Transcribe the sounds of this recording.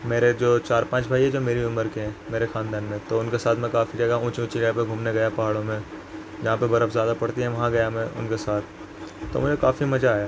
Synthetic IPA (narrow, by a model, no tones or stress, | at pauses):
meːɾed͡ʒoːt͡ʃaːɾpãːt͡ʃbʱaːiɦɛd͡ʒoːmeːɾiʊməɾkeɦɛ̃ːmeːɾexaːnd̪aːnmẽt̪oʊnkesaːt̪ʰmɛ̃kaːfid͡ʒɐɡaũːt͡ʃũːt͡ʃilapeɡʱuːmneɡɐjapɐɦaːɽõmẽ | d͡ʒɐɦãpebɐɾəpzjaːd̪apɐɽt̪iɦɛ̃ʋɐɦãɡɐjamɛ̃ʔʊ̰nkesaːt̪̚ʰː | o̰mʊd͡ʒʱekaːfimɐd͡ʒaːjaː